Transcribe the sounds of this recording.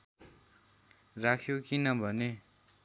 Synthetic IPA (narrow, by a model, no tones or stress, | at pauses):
rakʰjokinʌbʱʌne